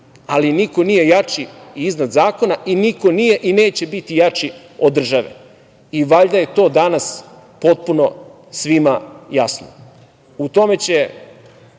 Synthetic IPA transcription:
aliniko̞nije̞jat͡ʃiiznad̪zaːko̞naʔiniko̞nije̞ʔine̞ːt͡ɕe̞bit̪ijat͡ʃi | od̪r̩ʒaʋḛ | iʋaʎd̪aje̞t̪o̞ːd̪anas | po̞t̪̚puno̞ | sʋimajasno | ut̪o̞me̞t͡ɕe̞

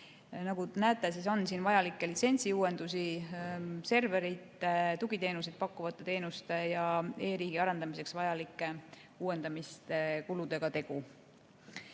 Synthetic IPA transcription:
nɑɡunæːt̪ːˑesiso̞nsiːnvɑjɑlikˑːe̞lit̪se̞nʲsiuːwe̞nd̪̥usi | se̞rve̞ɾit̪ˑet̪uɡ̥it̪e̞ːnus̬id̪̚pɑkːˑuvɑt̪ːˑe̞t̪e̞ːnust̪e̞jɑe̞ːɾiːɡ̥iɑɾend̪ɑmise̞ksvɑjɑlikːˑe̞ | uːwe̞nd̪̥ɑmist̪e̞kulud̪̥e̞ɡ̥ɑt̪e̞ɡ̥u

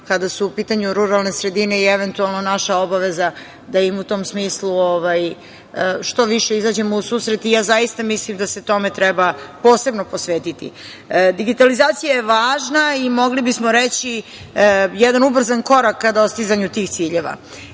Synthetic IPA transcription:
kad̪asuːpiːt̪aɲuɾuɾalˠne̞sɾe̞d̪ine̞ieʋe̞nt̪ualˠno̞naʃaobaʋeza | d̪aimut̪o̞ːmsmiːslˠuoʋaj | ʃt̪o̞ʋiʃe̞izaːd͡ʑe̞mousuːsɾet̪ijaːzajist̪amislimd̪ase̞t̪o̞me̞t̪ɾɛbapo̞ːse̞bno̞posʋeːt̪it̪ḭ | d̪iɡit̪alizaːt̪sijajeʋaːʒnaimo̞ɡlibismo̞ɾet͡ɕi | jɛd̪anubr̩zanko̞ɾakːad̪aost̪izaɲut̪iːxt̪siːʎeʋa̰

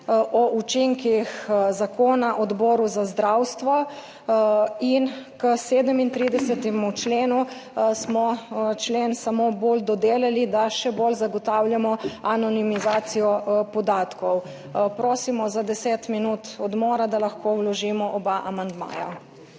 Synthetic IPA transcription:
ʔɔʔut͡ʃiŋkixzakoːnaʔɔd̪boːɾuzazd̪ɾawst̪ʋɔ | inkəseːd̪əmint̪ɾiːd̪ɛsɛt̪ɛmut͡ʃleːnusmɔt͡ʃleːnsamobold̪ɔd̪eːlalid̪aʃɛbolzaɡɔt̪awljamɔanɔnimizaːsijɔpɔd̪aːt̪kɔw | pɾoːsimɔzad̪ɛseːt̪minuːt̪ɔd̪moːɾad̪alaxkʰowlɔʒimɔʔɔbaʔamand̪ma̰ːja̰

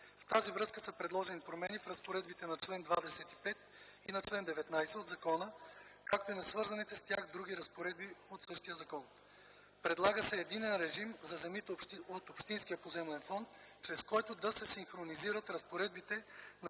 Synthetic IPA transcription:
ft̪azivɾɤskəsɐpɾɛd̪lˠɔʒɛnipɾomɛnifɾɐspoɾɛd̪bit̪ɛnɐt͡ʃlɛnd̪vad̪ɛsɛt̪i̥pɛt̪ | inɐt͡ʃlɛnd̪ɛvɛt̪najsɛod̪zɐkɔnəkak̚t̪oinɐsvɤɾzɐnit̪ɛst̪jaxd̪ɾuɡiɾɐspoɾɛd̪̚biot̪sɤʃt̪ijəzɐkɔn | pɾɛd̪lˠaɡəsɛːd̪inɛnɾɛʒimzɐzɛmit̪ɛot̪opʃt̪inskʲijəpozɛmlɛnfɔnt̪t͡ʃɾɛskɔjt̪ʊd̪ɐsɛsiŋxɾoniziɾət̪ɾɐspoɾɛd̪̚bit̪ɛn

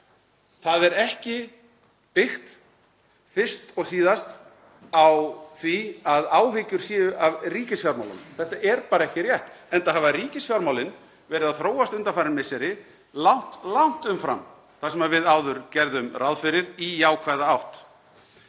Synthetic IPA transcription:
θaðɛɾɛhcɪ | pɪxt̪ | fɪr̥st̪ɔɣsiːðast̪ | awθviaðaːwɦɪcʏɾ̥siːʏʔavriːcɪsfjawɾmawla̰nθɛht̪aʔɛɾpaːɾaɛhcɪrjɛht̪ɛnt̪ahavariːcɪsfjawɾmawlɪn | vɛːɾɪðaðθɾoːwast̪ʏnt̪afaːɾɪnmɪsɛɾɪ | lawn̥t̪law̥n̥t̪ʏmfɾa̰m | θasɛmaðvɪðaːwðʏɾcɛɾðʏmrawðfɪɾɪɾijaːwkʰvaðaawht̪

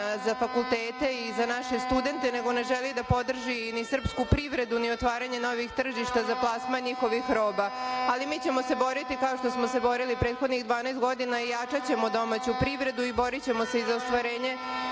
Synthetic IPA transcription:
zafakulˠt̪eːt̪e̞izanaʃe̞st̪ud̪e̞nt̪e̞ne̞ɡo̞ne̞ʒelid̪apo̞d̪r̩ʒinisr̩pskupɾiʋɾe̞d̪unio̞t̪ʋaːɾaɲe̞no̞ʋixt̪r̩ʒiʃt̪azaplˠaːsmaɲixo̞ʋixɾo̞ːbaalimiːt͡ɕe̞mo̞se̞bo̞ɾit̪ikao̞ʃt̪o̞smo̞se̞bo̞ɾilipɾe̞ːt̪xo̞d̪niɣd̪ʋaːnaːst̪ɡo̞d̪inaijat͡ʂat͡ɕe̞mod̪o̞mat͡ɕupɾiʋɾe̞d̪uibo̞ɾit͡ɕe̞mo̞se̞izaost̪ʋaɾe̞ːɲe̞

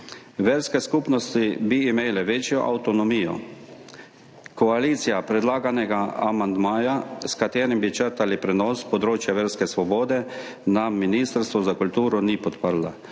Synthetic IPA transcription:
ʋeːɾskɛskupnɔst̪ibiːmeːlɛʋeːt͡ʃjɔ̰ʔa̰wt̪ɔnɔmiːjɔ̰ | kɔaliːt̪sijapɾɛd̪laːɡanɛɡaamand̪maːjaskat̪eːɾimbit͡ʃəɾt̪alipɾɛnɔːspɔd̪ɾoːt͡ʃjaʋeːɾskɛsʋɔboːd̪ɛ | namːinist̪əɾst̪ʋɔzakult̪uːɾɔnipɔt̪pəɾla

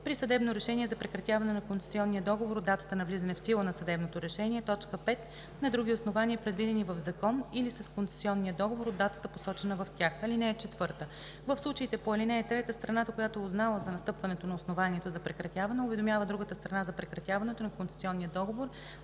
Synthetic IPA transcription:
pɾisɐd̪ɛbnoɾɛʃɛnʲiɛzɐpɾɛkɾɐt̪ʲjavɐnɛnɐkont̪sɛ̥siɔnːijəd̪ɔɡovoɾd̪at̪ə̥t̪ənɐvlizɐnɛfsilˠənɐsɐd̪ɛbnot̪oɾɛʃɛnʲiɛt̪ɔt͡ʃkəpɛt̪ | nɐd̪ɾuɡʲiosnovaniəpɾɛd̪vid̪ɛnivəvzɐkɔnilisɐskont̪sɛ̥siɔnːijəd̪ɔɡovoɾod̪ːat̪ə̥t̪əposɔt͡ʃɛnəvɐft̪ʲjaxɐlinɛɛt͡ʃɛt̪vɤɾt̪ə | vəfslˠut͡ʃəit̪ɛpoɐlinɛːt̪ɾɛt̪əst̪ɾɐnat̪əkojat̪oɛʊznalˠəzɐnɐst̪ɤpvɐnɛt̪onɐosnovanʲiɛt̪ozɐpɾɛkɾɐt̪ʲjavɐnɛʊvɛd̪omʲjavəd̪ɾuɡət̪əst̪ɾɐnazɐpɾɛkɾɐt̪ʲavɐnɛt̪onɐkont̪sɛ̥siɔnːijəd̪ɔɡovoɾ

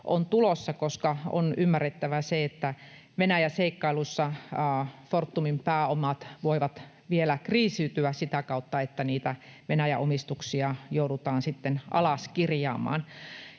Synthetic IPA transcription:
ʔont̪ulosːɑkoskɑo̰nymːæret̪ːæʋæseet̪ːæ | ʋenæjæseikːɑilusːɑ | fort̪ːumimpæːomɑt̪ʋoiʋɑt̪ | ʋielækriːsiːt̪yæsit̪ækɑut̪ːɑet̪ːæniːt̪æʋenæjæʔomist̪uksiɑjouɾut̪ɑːnsit̪ːenʔɑ̰lɑskirjɑ̰ːmɑ̰ːn

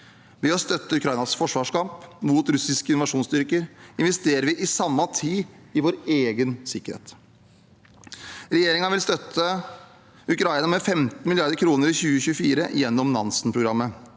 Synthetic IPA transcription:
ʋɪɔst̪œt̪ːəʉkʰɾɑɪnɑsfɔʂʋɑːʂkɑmpmuːt̪ɾʉsɪskəɪnʊʋɑʂuːnst̪ʏɾkəɾɪnʋɛst̪eːɾəɾʋɪʔɪsɑmːɑt̪ʰiːɪʋoːɾeːɡənsɪkəɾhḛːt̪ | ɾɛjeːɾɪŋɑʋɪlst̪œt̪ʰːə | ʉkʰɾɑɪnɑmɛfɛmt̪n̩mɪlɪɑɾd̪əɾkʰɾuːnəɾɪçʉːəɕʉːfiːɾə̰jɛnːɔmnɑ̰nsnpʰɾʊɡɾɑmːə

